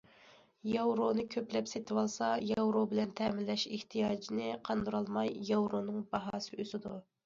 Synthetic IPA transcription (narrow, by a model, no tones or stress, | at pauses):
jɑwɾonɨkʲʰøplɛpset̪ʰɪwɑlˠsɑjɑwɾobɪlɛnt̪ʰɛmɪlːɛʃeht̪ʰijɑːd͡ʒinɪqʰɑnd̪uɾɑlˠmɑjjɑwɾonɨŋbɑɦɑːsɨøzɪd̪u